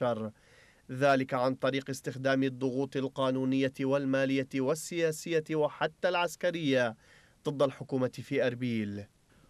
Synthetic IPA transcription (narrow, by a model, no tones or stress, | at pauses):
ɑɾˤ | ðaːlɪkaʕant̪ˤɑɾiːqɪst̪ɪxd̪aːmɪd̪ˤːʊɣuːt̪ˤɪlqɑːnuːnɪjːawalmaːlɪjːawasːɪjaːsɪjːawaħat̪ːaːlʕaskaɾɪjːa | d̪ˤɨd̪ˤːalħʊkuːmafiːʔɑɾbiːl